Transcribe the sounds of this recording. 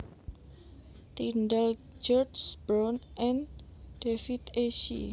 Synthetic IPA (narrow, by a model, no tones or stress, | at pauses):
t̪indəl | d͡ʒɔrsb̥ɾanʔɛnd̥efit̪eʃḭ